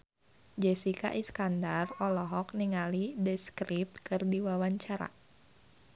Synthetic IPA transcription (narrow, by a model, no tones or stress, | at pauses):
d͡ʒɛsika̰ʔiskandarɔlɔɦɔk̚niŋalidɛskɾip̚t̪̚kɨrdiwawaɲt͡ʃaɾa̰